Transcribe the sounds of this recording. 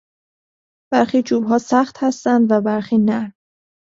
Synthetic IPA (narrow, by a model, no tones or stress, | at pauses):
b̥æɾxiːd͡ʒuːbɦɒːsæxt̪hæst̪ænd̪væbæɾxiːnæɾ